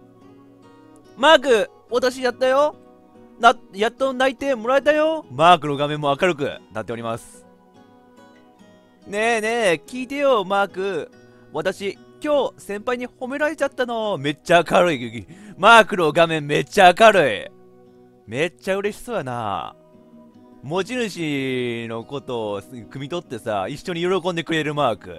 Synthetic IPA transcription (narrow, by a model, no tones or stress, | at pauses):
maːkɯ̟ | βat̪aɕ̬ijat̪ːajo̞ | jat̪ːonait̪e̞mo̞ɾae̞t̪ajo̞maːkɯ̟no̞ɡamẽ̞mːo̞akaɾɯ̟kɯ̟̰nat̪ːe̞oɾʲimasɨ̥ | ne̞ne̞kʲiːt̪e̞jo̞maːkɯ̟ | βat̪aɕi | kʲo̞ːsẽ̞mpaiɲ̟iho̞me̞ɾaɾe̞t͡ɕat̪ːano̞me̞t͡ɕːakaɾoimaːkɯ̟no̞ɡamẽ̞mːe̞t͡ɕːaːkaɾoḭ | me̞t͡ɕːaɯ̟ɾe̞ɕi̥so̞jana̰ | mo̞t͡ɕinɯ̟ɕino̞ko̞t̪o̞ːkɯ̟mʲit̪o̞t̪ːe̞sa̰iɕːo̞ɲ̟ijo̞ɾo̞kõ̞nd̪e̞kɯ̟ɾe̞ɾɯ̟maːkɯ̟̰